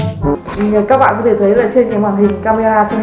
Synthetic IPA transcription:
kaː˦˥k̚ɓa̰ː˧˨kɔ˨˦t̪ʰe˧˩t̪ʰə˨˦jla̰ː˨˩t͡ɕe˧nkaː˨˦jwaː˨˩nhï˨˩ŋ˨˩kaː˧me˧aː˧t͡ɕɔ˧

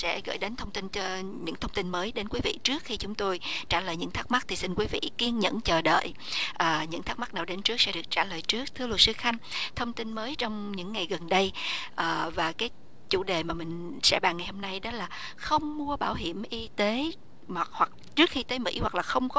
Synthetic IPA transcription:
sɛ̰˧˥ɣə̰ː˧˩˨jɗe˨˦nt̪ʰə˧wŋ͡mt̪i˧nt͡ɕɔ˧ | ɲɨ̰˧˥ŋt̪ʰə˧wŋ͡mt̪i˧nməː˨˦jɗe˨˦nkwi˨˦vḭ˧˨t͡ɕɨ˦˥ək̚xi˧t͡ɕʊ˨˦ŋ͡mt̪o˧jt͡ɕaː˧˩ləː˨˩jɲɨ̰˧˥ŋt̪ʰaː˦˥k̚ma˦˥t̪ʰi˨˩si˧nkwi˨˦vḭ˧˨ki˧ənɲə̰˧˥nt͡ɕəː˨˩ɗə̰ː˧˨j | ʔəː˨˩ɲɨ̰˧˥t̪ʰaː˦˥k̚ma˦˥k̚naː˨˩wɗe˨˦nt͡ɕɨ˦˥ək̚sɛ̰˧˥ɗɨ˨˩ək̚t͡ɕaː˧˩ləː˨˩jt͡ɕɨ˦˥ək̚t̪ʰɨ˧əlu˨˩t̚sɨ˧˦xa˧jŋ̟t̪ʰə˧wŋ͡mt̪i˧nməː˨˦jt͡ɕɔ˧wŋ͡mɲɨ̰˧˥ŋːa˨˩jɣə˨˩nɗə˧jʔəː˨˩vaː˨˩kaː˨˦j | t͡ɕṵ˧˩ɗe˨˩maː˨˩mï˨˩ŋ̟ | sɛ̰˧˥ɓaː˨˩ŋːa˨˩jho˧mna˧jɗɔ˨˦laː˨˩ | xə˧wŋ͡mmu˧əɓaː˧˩wɦi˧˩əmʔi˧t̪e˨˦ | hwa˨˩k̚hwa˨˩k̚t͡ɕɨ˦˥ək̚xi˧t̪eː˨˦jmḭ˧˥hwa˨˩k̚laː˨˩xə˧wŋ͡mkɔ˨˦

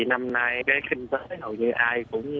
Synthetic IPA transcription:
i˨˩na˧mna˧jkaː˨˦jxï˧ŋ̟t̪əː˨˦ho̰˨˩jɲɨ˧ʔaː˧jkʊ̰˧˥ŋ͡m

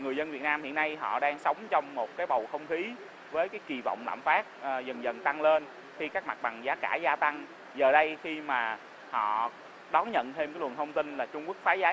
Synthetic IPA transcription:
ŋɨ˨˩əzə˧nvi˨˩ətnaː˧mhḭ˧əna˧jɦɔ̰˧˨ɗaː˧ŋsə˨˦wŋ͡mt͡ɕɔ˧wŋ͡mmo˨˩t̚kaː˨˦jɓə˨˩wxə˧wŋ͡mxi˨˦ | vəː˨˦jkaː˨˦jki˨˩va̰˧˨wŋ͡mla̰ː˧˨mfaː˦˥t̚ːzə˨˩nzə˨˩nt̪a˧ŋle˧n | xi˧kaː˦˥k̚ma˨˩t̚ɓa˨˩ŋzaː˨˦kaː˧˩zaː˧t̪a˧ŋ | zəː˨˩ɗə˧jxi˧maː˨˩ | hɔ̰˧˨ | ɗɔ˨˦nɲə̰˧˨nt̪ʰe˧mkːlə˨˩nt̪ʰə˧wŋ͡mt̪i˧nlaː˨˩t͡ɕʊ˧ŋ͡mku˦˥ək̚faː˨˦zaː˨˦

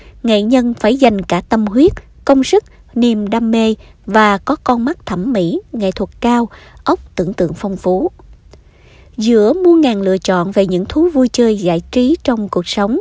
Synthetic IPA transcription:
ŋḛ˧˨ɲə˧nfaː˧˩jza˨˩jŋ̟kaː˧˩t̪ə˧mhwi˦˥ət̚ | kə˧wŋ͡msɨ˦˥k̚ | ni˧˩mɗaː˧mːe˧vaː˨˩kɔ˨˦kɔ˧nma˦˥k̚t̪ʰə˧˩mːḭ˧˥ŋḛ˧˨t̪ʰwə˨˩t̚kaː˧wʔə˦˥wk͡p̚t̪ɨ̰˧˩əŋt̪ɨ̰˧˨əŋfɔ˧wŋ͡mfu˨˦ | zɨ̰˧˥əmu˧əŋaː˨˩nlɨ̰˧ət͡ɕɔ̰˧˨nve˨˩ɲɨ̰˧˥ŋt̪ʰu˨˦vu˧jt͡ɕəː˧jza̰ː˧˥jt͡ɕi˨˦t͡ɕɔ˧wŋ͡mku˨˩ək̚sə˨˦wŋ͡m

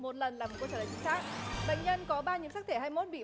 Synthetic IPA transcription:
mo˨˩t̚lə˨˩nlaː˨˩m̚˨˩k̚t͡ɕːəː˧˩əː˨˩t͡ɕi˨˦ŋsaː˦˥k̚ɓə̰˧˨ŋ̟ɲə˧nkɔ˨˦ɓaː˧ɲɨ˨˦ŋsaː˦˥t̪ʰe˧˩haː˧jmo˦˥t̚ɓḭ˧˨

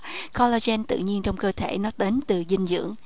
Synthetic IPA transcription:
kʰɔ˧la˧zɛ˧nt̪ɨ̰˧˨ɲi˧ənt͡ɕɔ˧wŋ͡mkəː˧t̪ʰe˧˩˨nɔ˨˦ɗe˨˦nt̪ɨ˨˩zï˧ŋ̟zɨ̰˧˥əŋ

